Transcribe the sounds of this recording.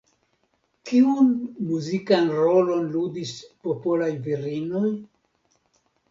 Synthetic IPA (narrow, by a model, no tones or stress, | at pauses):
kiunmuzikanɾo̞lo̞nludispo̞polajviɾino̞j